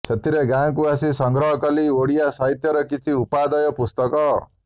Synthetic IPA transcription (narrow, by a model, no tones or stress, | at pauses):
t͡ʃʰʌt̪ʰiɾeɡãŋkuasisɔŋɡɾɔɦɔkɔlioɽijasaɦit̪jɔɾɔkit͡ʃʰiupad̪ʌjɔpust̪ɔkɔ